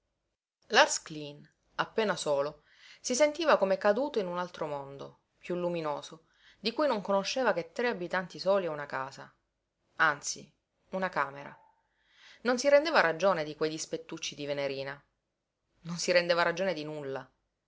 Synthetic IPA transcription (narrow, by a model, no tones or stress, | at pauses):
larsklin | apːeːnasoːlo | sisent̪iːvakomekad̪uːt̪oinunalt̪ɾomond̪o̰ | pjulːuminoːzo | d̪ikujnoŋkonoʃːeːvaket̪ːɾeabit̪ant̪isoːliɛunakaːza | ant̪sḭ | unakaːmeɾa̰ | nonsiɾend̪eːvaɾad͡ʒoːned̪ikwejd̪ispet̪ːut͡ʃːid̪iveneɾiːna | nonsiɾend̪eːvaɾad͡ʒoːned̪inulːa